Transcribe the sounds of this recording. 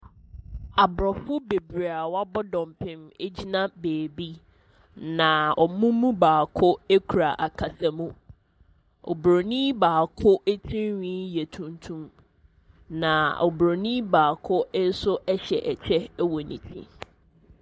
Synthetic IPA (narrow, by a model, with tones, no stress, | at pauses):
a˨bɾɔ˨fʊ˦be˨bi˨ɾa˨wa˦bɔ˦dɔ̃˨mpʰɪ̃˨me˦d͡ʑi˦nã˦beː˨bi˦ | nã˨ɔ˨mũ˦mũ˦baː˨kʰʊ˦e˦kʰu˨ɾa˨ʔa˨kʰa˨sa˨mũ˦ | ɔ̰˨bɾo˨nĩ˦baː˨kʰʊ˦ʔe˦tʰĩ˦nwĩ˦jɛ˨tʰũ˨ntʰũ˦m | nã˨ɔ̰˨bɾo˨nĩ˦baː˨kʰʊ˦n̩˦sʊ˦ʔɛ˦ɕɛ˨ʔɛ˨t͡ɕʰɛ˦wɔ˨nḭ̃˨tʰḭ̃˦